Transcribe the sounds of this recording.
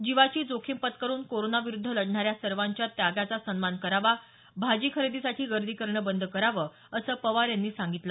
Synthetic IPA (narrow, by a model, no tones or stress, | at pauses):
d͡ʑiʋat͡ɕiːd͡zokʰimpət̪kəɾuːnkoɾonaʋiɾud̪ʱːələɽɳaɾjasəɾʋaɲt͡ɕjat̪jaɡat͡sasənmankəɾaʋa | bʱad͡ʑiːkʰəɾed̪isaʈʰiːɡəɾd̪ʱiːkəɾɳəbənd̪ʱəkəɾaʋəː | əsəːpəʋaɾjanːiːsãŋɡit̪lə